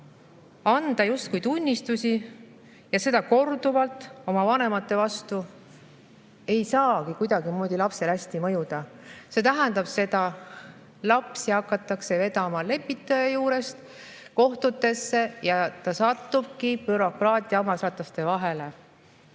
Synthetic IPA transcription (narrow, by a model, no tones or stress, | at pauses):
ɑnd̪̥ɑjust̪kujt̪unʲːist̪usi | jɑse̞d̪ɑko̞rd̪uvɑlt̪ˑo̞mɑvɑne̞mɑt̪ːˑe̞vɑst̪u | e̞jsɑːɡ̥ikujd̪̥ɑɡ̥imoːd̪̥ʲilɑpse̞lhæsʲt̪imɤ̞jud̪̥ɑ | se̞t̪æɦænd̪̥ɑb̥se̞d̪ɑ | lɑpsiɑkːˑɑt̪ːˑɑkse̞ve̞t̪ɑmɑle̞pːˑit̪ːˑɑjɑjuːɾe̞st̪ | ko̞ht̪ut̪ːˑe̞sːe̞jɑt̪ɑsɑt̪ːub̥̚kipyɾo̞krɑːt̪ʲˑiɑɑmɑsɑt̪ˑlɑst̪e̞vɑɦe̞le̞